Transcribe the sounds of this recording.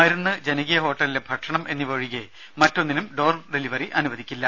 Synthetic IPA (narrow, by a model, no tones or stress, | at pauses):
ɐjiɾunːɨd͡ʑenɐɣijɐɦo̞ːʈːɐlilebʱɐʈʂɐɳɐmʔe̞nːiʋɐɻiɣe | mɐtːo̞nːinumɖo̞ːrmɖeliʋɐriʔɐnuʋɐd̪ikʲːilːɐ